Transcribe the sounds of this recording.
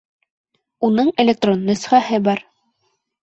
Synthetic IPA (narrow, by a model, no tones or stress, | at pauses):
unɤɴelʲek̚t̪ronːɵ̆sχæhɘbɑɾ